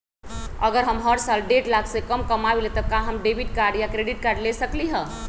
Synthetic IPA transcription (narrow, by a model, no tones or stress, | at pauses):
əɡəɾɦəmɦəɾsalɖeʈlaksekəmkəmaʋilet̪əkãɦəmɖebiʈ̚kaɾɖjakɾeɖiʈ̚kaɾɖlesəkliɦə